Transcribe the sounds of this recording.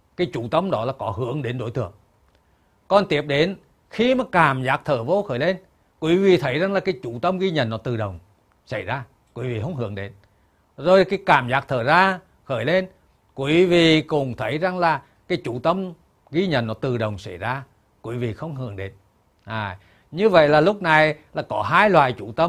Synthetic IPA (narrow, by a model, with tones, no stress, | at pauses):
kaː˨˦jt͡ɕu˧˩˦t̪ə˧˩mɗɔ˨˦laː˨˩kɔ˨˦ɦɨ˧˥˦əŋɗe˨˦nɗo̰˨˧˦jt̪ɨ˧˩əŋ | kɔ˨˩nt̪i˨˦əp̚ɗe˨˦n | xi˧maː˨˩kaː˧˩mzaː˨˦˥k̚t̪ʰəː˧˩vo˧˦xəː˧˩jle˧n | kwi˨˦vi˨t̪ʰə˨˦jza˨˩ŋlaː˨˩kaː˨˦jt͡ɕu˧˩t̪ə˧mɣi˧ɲə̰˧˩˨nːɔ˨˦t̪ɨ˨˩ɗə˨˩wŋ͡m | sa˧˩jzaː˧ | kwḭ˨˦vḭ˧˨˩ɦə˧˦wŋ͡mɦɨ̰˨˧˥əŋɗe˨˦n | zo˨˩jkaː˨˦jkaː˧˩mzaː˨˥k̚t̪ʰəː˧˩zaː˧ | xəː˧˩jle˧n | kwi˨˦vi˨˩˨kʊ˨˩ŋ͡mt̪ʰə˨˦jza˨˩ŋlaː˨˩ | kaː˨˦jt͡ɕu˧˩t̪ə˧m | ɣi˧ɲə̰˨nːɔ˨˦t̪ɨ˨˩ɗə˨˩wŋ͡msa˧˩jzaː˧ | kwi˨˦vḭ˨˩xə˧wŋ͡mɦɨ˧˩əŋɗe˨˦n | ʔaː˨˩ | ɲɨ˧və̰˧˨jlaː˨˩lʊ˦˥k͡p̚na˨˩jlaː˨˩kɔ˨˦ɦaː˧jlwaː˨jt͡ɕu˧˩t̪ə˧m